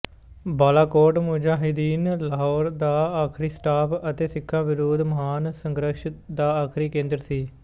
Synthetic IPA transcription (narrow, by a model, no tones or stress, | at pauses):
baːlaːkoːɾʈmʊd͡ʒaːɦɪd̪iːnləɦɔːɾd̪aːaːkʰɾiːsʈaːpət̪eːsɪkʰːãːʋɪɾoːd̪məɦaːnsəŋɡɾəʃd̪aːaːkʰɾiːkẽːnd̪ɾsiː